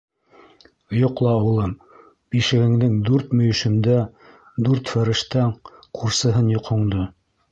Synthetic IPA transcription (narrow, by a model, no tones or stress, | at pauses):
jŏqlˠɑwɤ̆lˠɤm | biʃɘ̆ɡɘ̆ŋd̪ɘŋd̪ʉɾt̪mɵ̆jɵ̆ʃɘ̆md̪æ | d̪ʉɾt̪fæɾɘ̆ʃt̪æŋqʰuɾsɤ̆ɦɤnjŏqhŏɴd̪o